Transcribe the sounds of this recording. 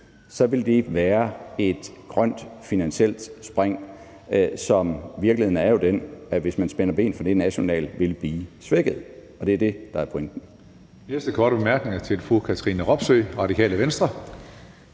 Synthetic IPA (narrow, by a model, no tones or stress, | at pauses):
sɒ̽ʋe̝ld̥e̝ʋæːɐe̝d̥ɡ̥ʁɶn̰d̥finænɕel̰d̥sb̥ʁeŋ̰ | sɒ̽mʋiɐɡ̥lihe̝n̩æɐjo̝d̥enæʋe̝smænsb̥enɐb̥e̝̰ːnfɒd̥e̝næɕo̝nɛ̰ːlʋe̝lb̥liːsʋeɡ̥ð̩ˠ | ɒ̽d̥e̝æɐd̥e̝d̥ɑ̈æɐpʰoeŋ̰d̥n̩ | neɐsd̥əkʰɒːɾ̥əb̥emæɐɡ̥ne̝ŋɐt͡sʰe̝lfukʰæt͡sʰəʁiːnəʁɒ̽b̥søːʁɑ̈dikʰɛ̰ːləʋensd̥ʁɐ